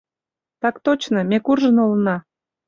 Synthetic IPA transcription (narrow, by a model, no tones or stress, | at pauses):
t̪ɑkt̪ot͡ɕnəmekurʒə̆nolnɑ